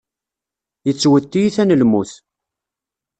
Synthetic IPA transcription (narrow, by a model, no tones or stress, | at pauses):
jət͡sːwət̪ːijiθænəlmuθ